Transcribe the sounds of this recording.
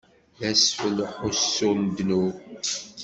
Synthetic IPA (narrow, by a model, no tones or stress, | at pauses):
ðæsfəlħusːʊnd̪nu